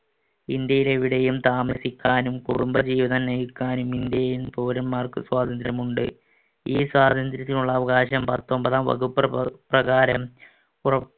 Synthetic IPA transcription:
ind̪jɐjileʋiɽɐjumt̪aːmɐsikʲːaːnumkuɽumbɐd͡ʑiːʋɐðɐnnɐjukʲːaːnumind̪jɐjinpoːɾɐnmaːrkɨswaːd̪ʱɐnd̪ɾɐmuɳɖɨ̰ | iːswaːd̪ʱɐnd̪ɾɐt̪ːiluɭːɐːʋɐɣaːɕɐmpɐt̪ːo̞mbɐðaːmʋɐ̰ɣupːrɐprɐɣaːɾɐm | urɐp

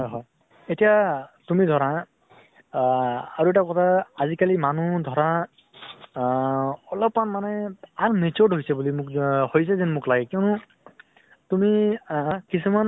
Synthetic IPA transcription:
ɦɔjɦɔj | etijatumidʱɔɹa | aɹuɛtakɔtʰaːzikalimanudʱɔɹa | ɔlɔpmanmanɛaɹmet͡ʃɔɹdɦojsɛbulimʊkhojs̬ɛzɛnmʊklaɡɛkiɔnʊ | tumi | kisuman

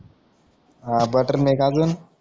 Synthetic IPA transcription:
abəʈəɾnekad͡zuːn

